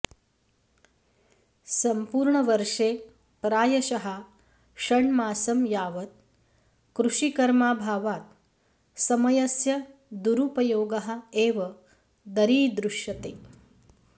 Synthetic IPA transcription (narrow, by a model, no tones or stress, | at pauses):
sɐmpuːɾɳɐʋɐɾʂeː | pɾaːjɐʃɐɦa | ʂɐɳmaːsɐmjaːʋɐt̪̚ | kɾuʂikɐɾmaːbʱaːʋaːt̪̚ | sɐmɐjɐsjɐd̪uɾupɐjoːɡɐɦɐ̆eːʋɐ | d̪ɐɾiːd̪ɾuʂjɐt̪eː